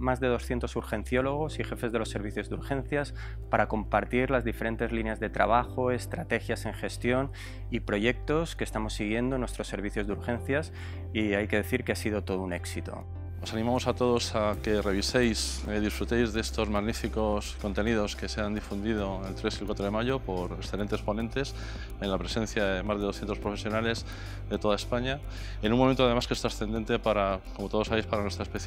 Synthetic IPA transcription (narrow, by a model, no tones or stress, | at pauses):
mazðe̞ð̞o̞sθje̞nt̪o̞suɾxẽ̞n̟θjo̞lo̞ɣ̞o̞sixe̞fe̞zð̞e̞lo̞sːe̞ɾβ̞iθjo̞zðuɾxẽ̞n̟θjas | paɾako̞mpaɾt̪iɾlazðife̞ɾe̞nt̪e̞zlineazðe̞t̪ɾa̰β̞axo̞e̞st̪ɾat̪e̞xjase̞ŋxe̞st̪jo̞n | ipɾo̞ʝe̞k̚t̪o̞ske̞ːst̪amo̞sːiɣ̞je̞nd̪onwe̞st̪ɾo̞sːe̞ɾβiθjo̞zðuɾxẽ̞nθjas | iajke̞ðe̞θiɾkeasiðo̞t̪o̞ð̞une̞ksit̪o̞̰ | o̞sanĩmamo̞sat̪o̞ð̞o̞sake̞re̞β̞ise̞jsðisfɾut̪e̞jzðeest̪o̞zmaɣnifiko̞sko̞nt̪e̞niðo̞ske̞seand̪ifund̪ið̞oelt̪ɾe̞silkwat̪ɾoð̞e̞maʝo̞po̞ɾeksθelent̪espo̞nent̪e̞s | e̞nlapɾe̞se̞n̟θjaðe̞mazð̞e̞ðsθje̞nt̪opɾofe̞sjonale̞z | ðe̞t̪o̞ðaespaɲa | enũŋmoment̪oað̞e̞maskest̪ɾasθe̞nd̪e̞nt̪e̞paɾakomo̞t̪o̞ð̞osaβejspaɾanwest̪ɾaespeθ